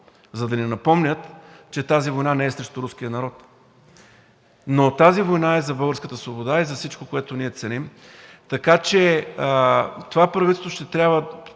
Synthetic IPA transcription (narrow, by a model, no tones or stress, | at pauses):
zɐd̪ɐnɛnɐpɔmnʲət̪t͡ʃɛt̪azivojnanɛɛsɾɛʃt̪ʊɾusk̟ijənɐɾɔt̪ | not̪azivojnaɛzɐbɤəlˠɡəɾskət̪əsvobod̪aizɐfsit͡ʃkokoɛt̪oniɛt̪sɛnim | t̪ɐkat͡ʃɛ | t̪ovapɾɐvit̪ɛsvo̥ʃt̪ɛt̪ɾʲabvə